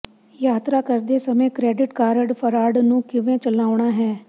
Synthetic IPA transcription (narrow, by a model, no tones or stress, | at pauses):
jaːt̪ɾaːkəɾd̪eːsəmẽːkɾɛːɖɪʈkaːɾəɖpʰəɾaːɖnũːkɪʋẽːt͡ʃəlaːʊɳ̃aːɦɛː